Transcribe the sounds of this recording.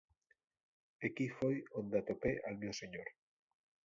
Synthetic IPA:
ekifojond̪at̪opeʔalmewseɲoɾ

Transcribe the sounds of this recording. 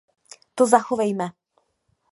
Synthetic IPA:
t̪ozaxovɛjmɛ

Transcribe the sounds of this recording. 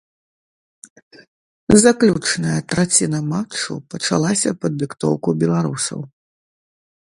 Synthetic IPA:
zaklʲut͡ʂnɐjɐt̪ɾat͡sʲinɐmat͡ʂṵpɐt͡ʂa̰lˠasʲɐpɐd̪ːɨkt̪ɔ̰wkubʲɛlˠaɾusɐ̰w

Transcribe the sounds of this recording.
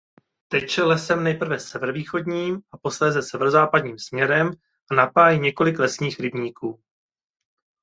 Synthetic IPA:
t̪ɛcʃɛlɛsɛmnɛjpr̩vɛsɛvɛɾoviːxo̞dɲiːmʔapo̞slɛːzɛsɛvɛɾozaːpadɲiːmsmɲɛɾɛm | ʔanapaːjiɲɛko̞lɪklɛsɲiːxɾɪbɲiːkuː

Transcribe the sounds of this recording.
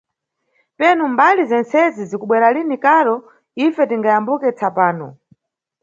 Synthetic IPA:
pɛnumbalizɛnt͡sɛzizikuɓwɛɾalinikaɾɔ | ifɛtiŋɡajambukɛt͡sʰapaːnɔ̰

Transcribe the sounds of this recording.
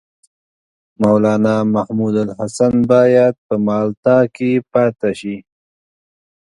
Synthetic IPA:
mawlɑːnamahmud̪alhasanbɑːjad̪̚pəmɑːlt̪ɑkepɑːt̪aʃi

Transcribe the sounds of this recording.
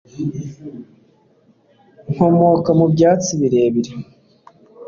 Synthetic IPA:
ŋ̥homokamubɟaːt͡siβiɾe̞ːβiɾe

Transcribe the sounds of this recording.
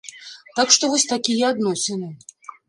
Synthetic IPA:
t̪akʂt̪ɔvɔsʲt̪akʲijɛad̪nɔsʲɛnɨ

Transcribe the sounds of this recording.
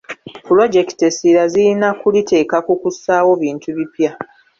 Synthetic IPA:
pulo̞d͡ʒe̞ki̥tesiɾaziinakulitʰe̞ːkakukusaːwo̞βiːntuβipja

